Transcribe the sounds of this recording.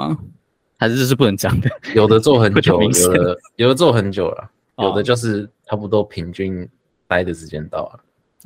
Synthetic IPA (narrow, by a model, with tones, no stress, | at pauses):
xa˧˥ɪ˥˩t͡sʂ̬ɻ̩˥˩pu˥˩nə˧˦nt͡ɕjɑ˨˩ŋd̪ə˦jo˨˩ʊd̪ə˦t͡swɔ˥˩xə˧˦nt͡ɕjo˨˦˧jo˨˩ʊd̪ə˦jo˨˩ʊd̪ə˧t͡swɔ˥˩xə˧˦nt͡ɕjo˨˩ʊla̰˨˩ | jo˨˩ʊd̪ə˦t͡ɕjo˥˧ʊʂ̬ɻ̩˥˩ʈ͡ʂʰa˥pu˧t̪̬woɔ˥pʰi˧˥ŋt͡ɕy˥˧n | t̪a˥ɪd̪ə˨˩ʂɻ̩˧˥t͡ɕjɛ˥˦nt̪ɑ̰˥˩ʊlə˨˩